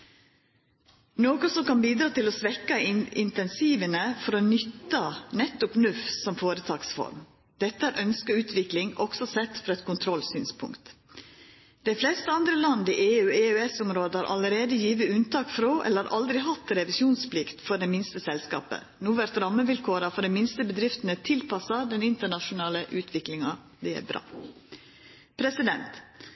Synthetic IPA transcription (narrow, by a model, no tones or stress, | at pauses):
noːkɔsɔmkɑnbiːd̪ɾɑːt̪ɪlɔsʋɛkːɑɪɪnt̪ɛnsiːʋənəfɔɾɔnʏt̪ːɑnɛt̪ːʊpnʉfsɔmfoːɾət̪ʰɑːksfɔ̰ɾm | d̪̥ɛt̪ːəæːɾʔœnskəɾʉːt̪ʰʋɪklɪŋɔɡsɔsɛt̪ːfɾɑɛt̪̚kʰʊnt̪ʰɾɔlsyːnspʰʊ̰ŋkt̪ | d̪̥ɛɪfleːst̪əɑnd̪ɾəlɑnd̪iːʔeːʉːeːøɛsʊmɾoːd̪əhɑːɾʔɑ̰ləɾeːd̪əjiːʋəʉnt̪ɑːkfɾoːʔɛ̰ləɾɑɾʔɑld̪ɾɪɦɑt̪ɾɛʋɪsjuːnspʰlɪkt̪fɔɖɛːmɪnst̪əsɛlskɑ̰ːpə̰ | nuːʋæɾt̪ɾɑmːəʋɪlkʰoːɾɑfɔɖɛmɪnst̪əbəd̪ɾɪft̪ənət̪ʰɪlpɑsɑd̪ɛnɪnt̪əɳɑʃʊnɑːləʔʉːt̪ʰʋɪklɪŋɑ | d̪ɛæ̰ːɾbɾɑ̰ː | pʰɾɛsɪd̪ɛnt̪